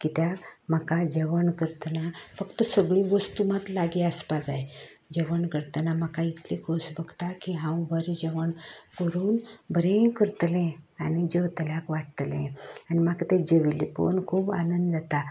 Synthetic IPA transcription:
kit̪jam̤əkad͡ʑəʋəɳkəɾt̪ənafəkt̪əsəɡɭĩʋəst̪umat̪laɡiaspad͡zaj | d͡ʑeʋəɳkəɾt̪ənam̤akait̪likʰosbəɡt̪akiɦãwbəɾd͡ʑeʋəɳkəɾuːnbəɾẽkəɾt̪lẽanid͡ʑewt̪əljakʋaʈt̪lḛ̃animakt̪ed͡ʑeʋilipo̰nkʰuːba̰nənd̪d͡zat̪a

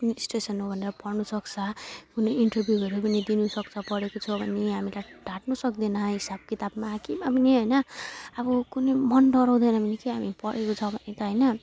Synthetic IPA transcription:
sʈesʌnɦobʱʌneɾʌpʌrnusʌkt͡sʰʌkunʌjiɳʈʌrbʱjuɡʌɾupʌnid̪inusʌkt͡sʰʌpʌɽekot͡sʰʌbʱʌnːeɦamilajɖ̥ʱaʈnusʌkd̪inʌɦisab̚kit̪abmakimabʌneɦʌjnʌʌbʌkunemʌnɖʌɾʌw̃d̪ʌjnʌmʌnikiɦamipʌɽekot͡sʰʌbʱʌnːet̪ʌɦʌjnʌ

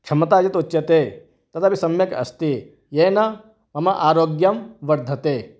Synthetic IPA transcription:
kʰʂɐmɐt̪aːd͡ʒɐt̪utːt͡ʃːɐt̪eː | t̪ɐt̪ʰabisɐmjɐkɐ̰st̪i | jeːnɐ | mɐmɐʔaːɾoːɡjɐmʋɐɾd̪ʱɐt̪eː

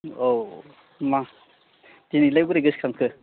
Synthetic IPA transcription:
ow | ma | d̥inilajbuɾeɡɯskʰaŋkʰɯ

